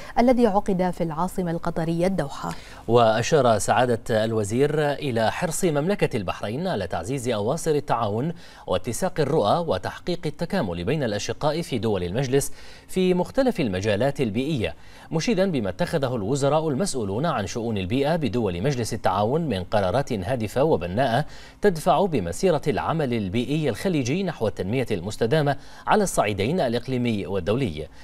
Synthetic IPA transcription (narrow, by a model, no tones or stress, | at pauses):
ʔalːaðiːʕʊqɨd̪afilʕɑːsˤɨmalqɑt̪ˤɑɾɪjːad̪ːawħa̰ | waʔaʃɑːɾˤɑsaʕaːd̪aalwaziːɾʔɪlaːħɪɾsˤɨmamlakalbaħɾajnʕalaːt̪aʕziːzʔɑwɑːsˤɨɾat̪ːaʕaːwʊn | wʔa̰t̪ːɪsɑːqɑrːʊʔaːwat̪aħqiːqɪt̪ːakaːmʊlbajnalʔaʃɪqːɑːʔfiːd̪ʊwalɪlmad͡ʒlɪs | fiːmʊxt̪alafalmad͡ʒaːlaːt̪albiːʔɪjːa̰ | mʊʃiːd̪anbɪmat̪ːaxaðaɦʊlwʊzɑɾˤɑːʔʊlmasʔuːluːnʕanʃʊʔuːnalbiːʔabɪd̪ʊwalɪmad͡ʒlɪsat̪ːaʕaːwʊnmɪnqɑɾˤɑːɾˤɑːt̪nɦaːd̪ɪfawabanːaːʔa | t̪ad̪faʕʊbɪmasiːɾˤɑlʕa̰malɪlbiːʔɪjːalxaliːd͡ʒɪːnaħwat̪ːanmɪjalmʊst̪ad̪aːma | ʕalaːsˤːɑʕiːd̪ajnalʔɪqliːmɪjːwad̪ːawlɪ̰jː